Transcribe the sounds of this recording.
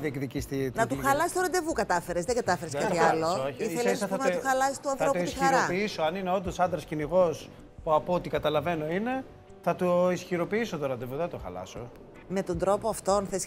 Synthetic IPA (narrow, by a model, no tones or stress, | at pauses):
ðiekðicist̪it̪nɐt̪uxɐlɐsi̥st̪oɾɐnd̪e̞vukɐt̪ɐfeɾezðeŋɡɐt̪ɐfe̞ɾeskɐilooiθelisɐɐmnɐt̪xɐlɐsi̥st̪uɐnθɾɐo̞t̪ouit̪isxɐɾɐpiisoɐnineo̞nd̪osɐnd̪ɾɐsciniɣo̞s | puɐpoot̪ikɐt̪ɐlɐve̞no̞ine̞ | θɐt̪oisçiɾo̞piiso̞t̪oɾɐnd̪e̞vuðeɐt̪oxɐ̰lɐ̰so | me̞t̪o̞nd̪ɾo̞poɐft̪o̞nθes